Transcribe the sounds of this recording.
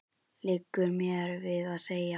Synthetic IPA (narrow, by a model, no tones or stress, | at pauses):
lɪkːʏɾmjɛɾvɪðaðseːja